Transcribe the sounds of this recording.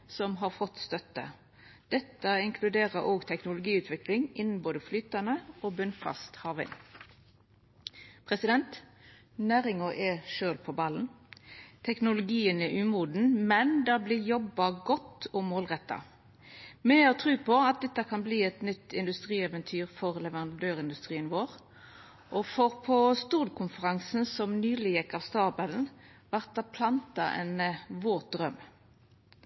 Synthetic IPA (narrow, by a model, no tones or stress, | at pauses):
sɔmɦɑʁfɔt̪ːst̪œt̪ːə̰ | d̪̥ɛt̪ːɑɪŋkʰlʉd̪eːʁəɾʔoːɡt̪ʰɛknʊlʊɡiːʉːt̪ʰʋɪklɪŋɪnn̩boːd̪əflyːt̪ɑnəoːbʉnfɑ̰st̪hɑːʋɪ̰n | pʰʁɛsɪd̪ɛnt̪ | næːɾɪŋɔʔɛʃøːlpʰɔbɑln̩ | t̪ʰɛknʊlʊɡiːənɛʔʉːmuːd̪n̩mɛnd̪ɑblɪjɔbːɑɡɔt̪ːɔmoːlʁɛt̪ːɑ̰ | mɛɔt̪ʰʁʉːpʰɔɑt̪̚d̪ɛt̪ːəkʰɑnbliːɛt̪nʏt̪ːɪnd̪ʉst̪ʁiːɛʋɛnt̪ʰyːʁfɔʁlɛʋəʁɑnd̪øːɾɪnd̪ʉst̪ʁiːənʋoːʁ | ʔɔfɔʁpʰɔst̪uːlkʰʊnfəʁɑŋsn̩sɔmnyːlɪjɛkːɑʋst̪ɑːbəln̩ʋæʁt̪̚d̪ɑpʰlɑnt̪ɑʔɛ̰nʋoːt̪̚d̪ɾœm